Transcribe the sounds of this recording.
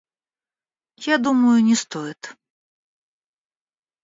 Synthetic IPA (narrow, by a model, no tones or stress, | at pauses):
jad̪uməjʊnʲɪst̪ɔjɪt̪